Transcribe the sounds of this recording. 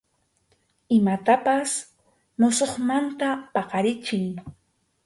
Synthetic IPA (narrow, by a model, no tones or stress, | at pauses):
ɪmat̪apas | nʊsoχmant̪apɑqɑɾɪt͡ʃɪŋ